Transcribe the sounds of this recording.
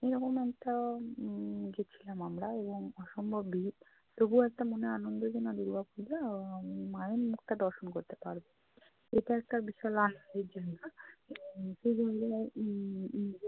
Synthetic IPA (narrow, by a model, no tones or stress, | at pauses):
eɾɔkomɛkʈa | ɡet͡ɕʰilamamɾaeboŋɔʃombʱobi | p̪obuɛk̚ʈamoneanond̪od͡ʑenad̪uɾbapud͡ʑammaemukt̪ad̪ɔɾʃonkoɾt̪epa̰ɾbe | eʈaɛk̚ʈabiʃɔelanond̪ed͡ʑonːa | ʃed͡ʑʱonle